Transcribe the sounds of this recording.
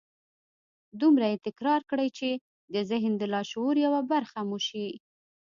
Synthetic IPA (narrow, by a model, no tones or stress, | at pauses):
d̪umɾajet̪ɪkɾɑɾkɽəjt͡ʃe | d̪əzɪɦnd̪əlɑʃwoɾjawabaɾxamuʃi